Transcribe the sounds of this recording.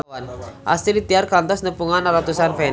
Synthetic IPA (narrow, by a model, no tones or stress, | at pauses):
anʔa̰st̪idit̪iarkant̪ɔsnəpuŋanɾat̪usanfɛn